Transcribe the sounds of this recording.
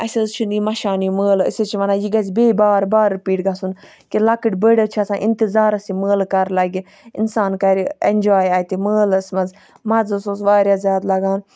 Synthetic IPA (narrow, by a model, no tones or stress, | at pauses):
ɐsʲɐzt͡ʃʰunimɐʃaːniməːlɐ̰sʲet͡ʃʰiʋɐnaːjiɡɐzʲbeːbaːɾbaːɾipiːʈɡasun | kilɐkɨʈʲbəɽɐt͡ʃʰiɐsãːʔint̪izaːɾɐsiməːlkɐɾlɐɡʲi | ḭnsaːnkɐɾienʲd͡ʒaːjaːjt̪iməːlɐsmɐz | mɐd͡zɐsozʋaːɾjaːzʲjaːt̪lɐɡaːn